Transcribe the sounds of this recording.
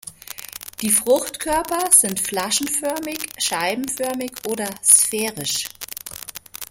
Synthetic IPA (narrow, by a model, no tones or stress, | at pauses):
d̥iːfʁ̥ʊxtkʰœɐpɐz̥ɪntflaʃn̩fœɐmɪçʃaɪbm̩fœɐmɪçʔoːdɐsfɛːʁɪʃ